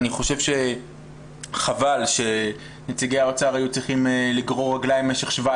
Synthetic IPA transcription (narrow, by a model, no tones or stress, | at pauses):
niχo̞ʃe̞vʃe̞ | χavalʃe̞ | net͡siɡejaot͡saʁajut͡sʁiχimliɡʁo̞ʁaɡlajmːeʃeχʃva